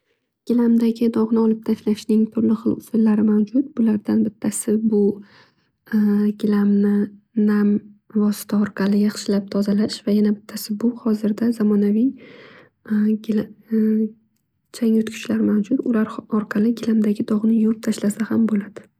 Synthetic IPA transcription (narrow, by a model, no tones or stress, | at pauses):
ɡ̥ʲɪlamd̪aɡʲɪd̪ɒʁnɪɒlɪp̚t̪ʰaʃlaʃnɪŋt̪ʰʊɾlɪχɨlˠʊsɪlːaɾɪmawd͡ʒʊt̪bʊlaɾd̪anbɪt̪ʰːasɪbʊ | ɡʲɪlamnɪ | namvɒsɪ̥t̪ʰaɒɾqʰɑlɪjɑχʃɪlap̚t̪ʰɒzalaʃvajanabɪt̪ʰːasɪbʊhɒzɪɾd̪azamɒnavij | ɡʲl | t͡ʃʰaŋʊt̪kʲʰʊ̥ʃlaɾmawd͡ʒʊd̪ʊlaɾɒɾqʰɑlɪɡʲɪlamd̪aɡʲɪd̪ɒʁnɪjop̚t̪ʰaʃlasahambolad̪̥ɪ